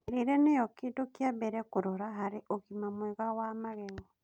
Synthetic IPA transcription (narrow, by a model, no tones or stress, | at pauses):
eɾeɾɛnejɔkiːntokjabɛɾɛkoɾɔɾaɦaɾeʔoɣimamwɛɣawamaɣɛɣɔ